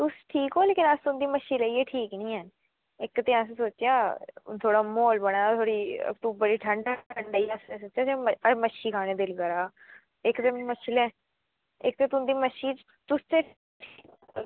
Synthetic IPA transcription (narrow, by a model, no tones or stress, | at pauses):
t̪ʊsʈʰiːkɦoːleːkɪnəst̪ʊnd̪iːməʃiːləiːeːʈʰiːknĩːən | ɪkːt̪eːas̬soːt͡ʃjaːt̪ʰoːɽaːmoːlbəɽ̃aːt̪ʰoːɽḭːt̪ũbəɽiːʈʰəɳɖaʈʰəɳɖaːiːasesoːt͡ʃjaːseməəməʃiːkʰaːɽ̃ẽːd̪ɪlɡəɾaː | ɪkt̪eːməʃɪlɛ̃ː | ɪk̚t̪eːt̪ʊnd̪iːməʃiː | t̪ʊst̪eː